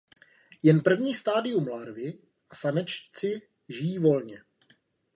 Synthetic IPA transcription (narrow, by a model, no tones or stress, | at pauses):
jɛnpr̩vɲiːst̪aːdɪumlaɾvɪ | ʔasanɛt͡ʃt͡sɪ | ʒɪjiːvo̞lɲɛ